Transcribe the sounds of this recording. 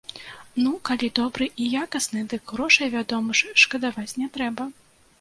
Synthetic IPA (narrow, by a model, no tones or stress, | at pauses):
nukalʲid̪ɔbɾɨʔijakɐsnɨd̪ɨkɣɾɔʂɐjvʲad̪ɔmɨʂʂkɐd̪avat͡sʲnʲɛt̪ɾɛbɐ